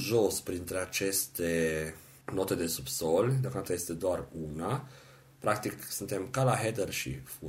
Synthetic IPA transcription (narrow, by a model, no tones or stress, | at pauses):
ʒo̞spɾint̪ɾe̞at͡ʃe̞st̪e̞ | no̞t̪e̞d̪e̞subso̞lʲd̪eoakonat̪əje̞st̪e̞d̪oaruna | pɾak̚t̪iksɨnt̪e̞mkalaɦed̪erʃḭfu